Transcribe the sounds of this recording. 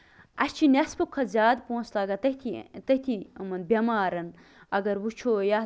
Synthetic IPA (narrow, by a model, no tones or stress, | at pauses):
ɐst͡ʃʰinɐspɨkʰɐzʲaːd̪põːnslaːɡɐt̪ɐt̪ʰit̪ɐt̪ʰiɐmɐnbʲɐmaːɾɐn | ɐɡɐɾwut͡ʃʰoːja